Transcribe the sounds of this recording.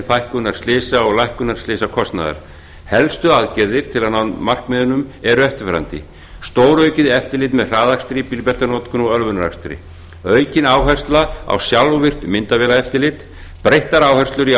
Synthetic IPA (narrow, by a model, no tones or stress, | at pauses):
fajhkʏnaɾ̥slɪːsaɔɣlajhkʏnaɾ̥slɪːsakʰɔst̪na̰ða̰ɾ̥ | hɛlst̪ʏaðcɛɾðɪɾ̥t̪ʰɪlaðnawnmar̥kmɪːðʏnʏmɛɾʏɛft̪ɪɾ̥fɛɾant̪ɪ̰ | st̪oːwɾœɥcɪðɛft̪ɪlɪːt̪mɛðr̥aːðakst̪ɾɪpilpɛr̥t̪anɔːt̪kʏnɔœlvʏnaɾa̰kst̪ɾɪ̰ | œːɥcɪnaːwɦɛ̥st̪laa̰wsjalvɪr̥t̪mɪnt̪avɛːlaɛft̪ɪɾlɪt̪ | pɾejht̪aɾaːwhɛrst̪lʏɾi